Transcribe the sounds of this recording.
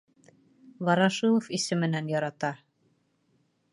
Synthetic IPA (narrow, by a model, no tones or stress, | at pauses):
vɑɾɑʃɤlˠɤ̆fisɘmɘ̆nænjɑɾɑt̪ɑ